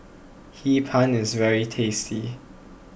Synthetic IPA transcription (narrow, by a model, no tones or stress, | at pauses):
hipʰãnɪzvɛɹitʰestʰi